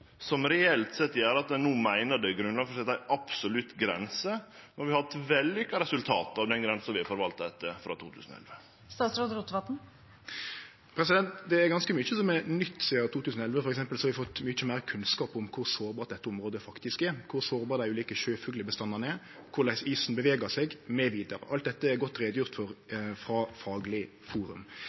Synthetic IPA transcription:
sɔmɾɛɛlt̪sɛt̪ːjæːɾɑt̪nuːmæɪnəɖɛɡɾʉnɑnfɔɾsɛt̪æɪɑpsɔlʉt̪ɡɾɛ̰nsə | nɔhɑɾʋɪɑhɑt̪ʋɛlːʏkːɑɾɛsʉlt̪ʰɑːt̪ɑʋd̪ɛnɡɾɛnsəʋɪfɔɾʋɑlt̪d̪ɛt̪ːəfɾɑ̰t̪ʰṵːt̪ʰʉːsən̩ɔ̰ɛ̰lʋə | st̪ɑːt̪sɾoːd̪ɾut̪ʋɑt̪n̩ | pʰɾɛsɪd̪ɛnt̪d̪ɛæɾɡɑnskəmʏt͡ʃːəsɔmɛnʏt̪ːsiːəɾt̪ʰuːt̪ʰʉːsn̩ɔɛlʋəfɔɾɛksɛmpəlsɔhɑɾʋɪfɔt̪ːmʏt͡ʃːəmæɪɾkʰʉnskɑːpʊmkʰʊɾsoːɾbɑːɾt̪d̪ɛt̪ːəʊmʁoːd̪əfɑkt̪ɪskɛɾkʰʊɾsoːɾbɑːɾd̪æɪʉːliːkəʃøːfʉɡləbəst̪ɑnːɑʁnɛ | kʰʊɾlæɪsiːsn̩bəʋeːɡəsɛɡmɛʋiːd̪əɾə̰ʔɑlt̪d̪ɛt̪ːəɛɾɡɔt̪ːɾeːd̪əjʊʁt̪fɔɾfɾɑfɑːɡlɪ | fuːɾʉ̰m

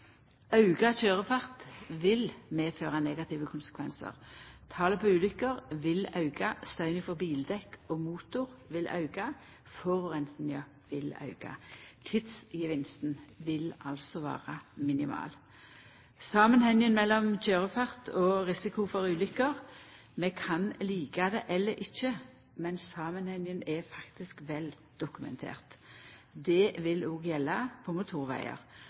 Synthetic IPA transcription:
ɑʉɡɑçøːʁəfɑʁt̪ʋɪlmeːføːʁɑneːɡɑt̪ʰɪʋəkʰʊnsə̥kʰʋɛnsə̰ʁt̪ʰɑːləpʰoʉːlʏkːəʁʋɪlɑʉɡɑst̪œʏnɪfɔʁbiːld̪ɛkoːmuːt̪ʊʁʋɪlʔɑ̰ʉɡɑ | fɔʁɔʁɛnt̪n̩jɑ | ʋɪlɑ̰ʉɡ̥ɑ̰t̪ʰɪt̪sɪʋɪnst̪n̩ʋɪlɑlsɔʋæ̰ːʁɑmɪnɪmɑ̰ːl | sɑːmənhɛŋjənmɛlːɔmçøːʁəfɑʁt̪ʰɔʁɪsɪkʊfɔʁʉːlʏkːəʁ | mɛkʰɑnliːkɑd̪ɛʔɛlːəɾʔɪçːə | mɛnsɑːmənhɛŋjənɛfɑkt̪ɪskʋɛl | d̪̥ʊkʉmɛ̰nt̪ʰḛːʁt̪d̪ɛʋɪloːɡjɛlːɑpʰɔmʊt̪ʰuːʁʋæ̰ɪə̰ʁ

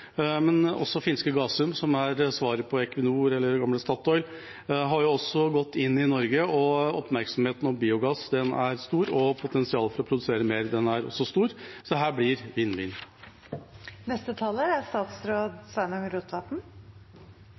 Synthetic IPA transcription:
mɛnɔ̰sːɔfɪnskəɡɑːsʉmsɔmæɾsʋɑːɾəpʰɔɛkʋɪnuːɾɛlːəɾɡɑmləst̪ɑt̪ɔʏl | ɦɑɾjʊɔsːɔɡɔt̪ʰːɪnːɪnɔɾɡəɔɔpmæɾksɔmheːt̪nɔmbiːʊɡɑsd̪ɛnæ̰ɾst̪uːɾɔpʰʊt̪ʰɛnsɪɑːlfɔɾɔpʰɾʊd̪ʉseːɾəmeːɾd̪ɛnæɾɔ̰sːɔst̪uːɾsɔɦæːblɪɾʋiːnʋḭːn | nɛst̪ət̪ʰɑləɾæst̪ɑːt̪sɾoːd̪sʋænɑŋɾuːt̪ʰʋɑp̪n̩

